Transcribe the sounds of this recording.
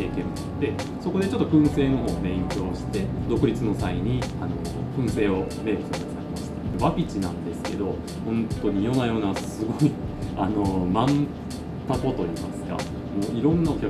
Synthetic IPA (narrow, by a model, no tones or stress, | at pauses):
eːkẽ | d̪̥e̞ | so̞ko̞d̪e̞t͡ɕo̞t̪ːo̞kɯ̟̃ɰ̃se̞ːno̞ɦo̞ːb̪ẽ̞ŋkʲo̞ːɕi̥t̪e̞d̪o̞kɯ̟ɾʲit͡sɨno̞saiɲ̟iano̞ | kɯ̟̃ɰ̃se̞ːome̞ɾt̪ekɯasaɾʲemaɕi̥t̪eeβapʲit͡ɕinãnd̪e̞sɨ̥ke̞d̪o̞ | hõ̞nt̪o̞ɲ̟ijo̞najo̞ːnasɨɡo̞iano̞mãn | t̪ako̞t̪o̞iːmasɨ̥ɡa̰ | mo̞ːiɾõ̞nːao̞kʲa